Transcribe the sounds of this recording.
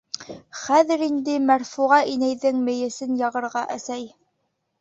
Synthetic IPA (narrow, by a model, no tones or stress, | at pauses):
χæðɘ̆ɾind̪ɘmæɾfuʁɑʔinæjðɘŋmɘ̆jɘ̆sɘnjɑʁɤ̆ɾʁɑʔæsæj